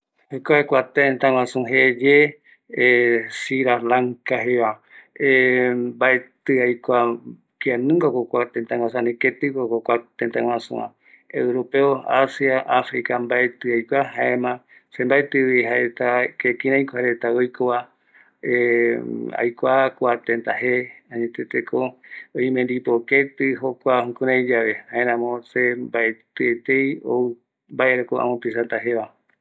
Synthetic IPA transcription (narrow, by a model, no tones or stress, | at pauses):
ojkoakʷat̪ent̪ãŋw̃ãsũɦed͡ʒe | siɾalaŋkaɦeβaebaet̪ɨajkʷa | kianɨ̃ŋɡakokʷat̪ent̪ãŋwãsãnĩket̪ɨkokokʷat̪ent̪ãŋw̃ãsṵ̃ã̰ | ewɾopeoasiaʔafɾikambaʔet̪ɨajkʷaɦaẽmã | se̞mbaet̪ɨβiɦaɾet̪akekĩɾãjkohaɾe̞t̪aojkoβa | e | a̰jkʷakʷat̪ẽnt̪aɦeãɲẽt̪et̪ekoõjmẽnd̪ipoket̪ɨɦokʷahũkũɾãjd͡ʒaʋe̞haẽɾãmõsembaet̪ɨet̪ejoɨ | mbaʔeɾekoʔã̰mõpisãnt̪aɦeʋa